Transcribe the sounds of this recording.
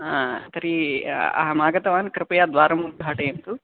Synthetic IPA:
at̪ɐɾiɐ̰ɦɐmaːɡɐt̪ɐʋaːnkɾɪpɐjaːd̪ʋaːɾɐmud̪ʱaːʈent̪u

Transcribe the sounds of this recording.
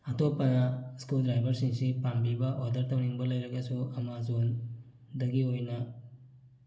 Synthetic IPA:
ɐt̪opɐnaskuldɾajbɐɾsiŋsipambibɐʔɔd̪ɐɾt̪ɐwniŋbɐlɐjɾɐɡasʰuɐmazon | d̪ɐɡiɦojna

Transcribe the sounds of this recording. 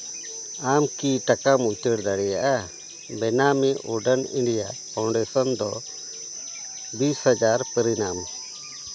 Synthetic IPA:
amkiʈakamut̪əɽd̪aɽɛja̰ʔa | bɛnamiʔɔɾɖənḭɳɖijapaw̃ɳɖɛsɔnd̪ɔ | bishad͡ʒaɾpəɾinam

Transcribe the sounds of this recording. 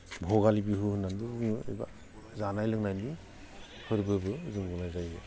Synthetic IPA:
bʱɔɣalibiɦuhɯnːanduzuŋḛba̰ | zanajlɯŋnajni | hɯɾbɯbɯzuŋɡɯnajzajɯ

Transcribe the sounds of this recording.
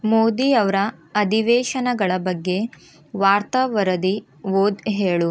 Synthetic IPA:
moːd̪iɐʋɐɾɐɐd̪ʱiʋeːʃɐnɐɡɐɭɐbɐɡːe̞ | ʋaːɾt̪ɐʋɐɾɐd̪i | ʋoːd̪ɦeːɭu

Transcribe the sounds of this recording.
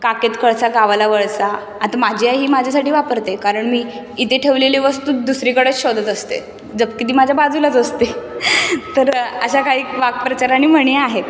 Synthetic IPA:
kaket̪kəɭt͡saɡaʋalaʋəɭt͡sa | at̪amad͡ʑʱiajɦiːmad͡ʑʱasaʈiːʋapəɾt̪ekaɾəɳmiː | it̪eʈʰeʋleliːʋəst̪uːd̪usɾikəɽət͡sɕod̪ət̪əst̪ḛ | d͡zəbkit̪̬iːmad͡ʑʱjabad͡zulat͡sost̪e | t̪əɾəɕakaɦiːʋak̚pɾət͡ɕaɾañiːm̤əɳ̃jeaɦet̪

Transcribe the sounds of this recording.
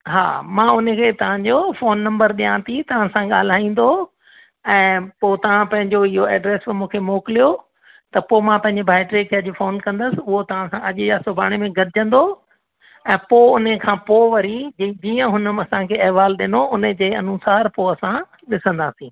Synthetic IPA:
ɦa̰ːmãːʊnəkʰeːt̪ɐʋ̤ãɲd͡ʑoːfoːnːɐ̃mbəɾɗijãːt̪ʰit̪ɐʋ̤ãsãɠa̰ːl̤aːĩːn̆d̪o | ɛ̃ːpoːt̪ɐʋ̤ãpɐ̃ɦɪ̃ɲd͡ʑoɪɦoɛ̰ːɖɾeːsmɪmũːkʰemoːkɪlijo | t̪ɐpoːmãpɐ̃ɦɪ̃ɲd͡ʑebʱaːɪʈɾeːkʰeːɐʄfoːnkɐ̃nd̪əsɪʊɦot̪ɐʋ̤ãsãʔɐʄɪjaːsʊbʱaːɽ̃emẽɡɐɾɪd͡ʑə̃nd̪o | ɛ̃ːpoːʊnəkʰãːpoːʋɐɾid͡ʑid͡ʑiːə̃ɦʊnəɐsãkʰeːɐɦʋaːlɗɪnoʊnəd͡ʑeːɐnuːsaːɾpoːɐsã | ɗɪsə̃nd̪a̰ːsĩː

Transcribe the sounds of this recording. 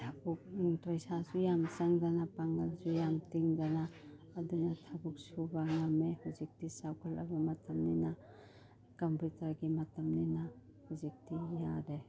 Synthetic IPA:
tʰabuk̚tojsasujamsɐŋdanapaŋɡɐlsujamtiŋdanaː | dunatʰabuk̚subaŋamehuzik̚tisawkʰɐlɐ̰bamɐtʰɐmnina | kɐmpjutɐɾɡimɐtɐmnina | huzik̚tijaɾe

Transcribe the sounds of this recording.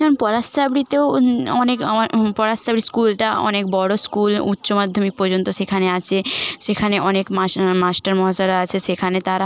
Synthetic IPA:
ɛonpɔɾast̪ʰabɽit̪eoɔnekpɔɾast̪ʰabɽiskulʈaɔ̰nek̚bɔɽoskulutːɕomad̪ʱːomik̚pɔɾd͡ʑont̪oʃekʰaneat͡ɕʰeʃekʰaneʔɔnekmamasʈaɾmɔɦasaɾaat͡ɕʰeʃekʰanet̪aɾa

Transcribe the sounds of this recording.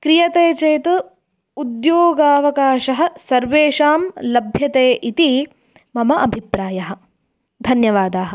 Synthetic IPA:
kɾijɐt̪eːt͡ʃɐjt̪ɐ | ud̪joːɡaːʋɐkaːʃɐɦɐ̆sɐɾʋeːʃaːmlɐbʱjɐt̪eːʔit̪i | mɐmɐʔɐbʱipɾaːjɐɦɐ̆ | d̪ʱɐnjɐʋaːd̪aːɦɐ

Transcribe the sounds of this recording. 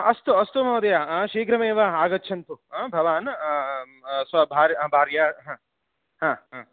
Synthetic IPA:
ɐst̪uɐst̪umɐːwd̪ɐjaʃiːɡɾɐmeːʋɐaːɡɐtːt͡ʃʰɐnt̪ubʱɐʋaːn | sʋɐbʱaːɾbʱaːɾjaɦãː | ɦãːɦaː

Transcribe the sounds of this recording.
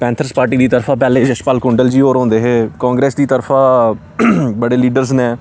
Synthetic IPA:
pɛ̃ːnt̪ʰəɾspaːɾʈiːd̪iːt̪əɾfʰaːpɛːleːd͡ʒəʃpaːlkʊ̃ɳɖəld͡ʒiːoːɾõːnd̪eːɦeːkãːŋɡɾeːsd̪iːt̪əɾpʰaː | bəɽeːliːɖəɾsnɛ̃ː

